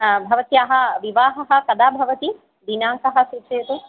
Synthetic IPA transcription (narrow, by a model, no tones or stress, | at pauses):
bʱɐʋɐt̪jaɦɐʋiʋaːɦɐɦɐkɐd̪aːbʱɐʋɐt̪i | d̪inaːŋkɐɦɐsɾut͡ʃejt̪u